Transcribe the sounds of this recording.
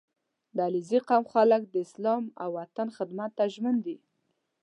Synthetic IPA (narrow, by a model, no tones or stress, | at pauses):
d̪aliziqamxalək̚d̪əɪslɑma̰wːat̪anxɪd̪mat̪ːaʒmənd̪i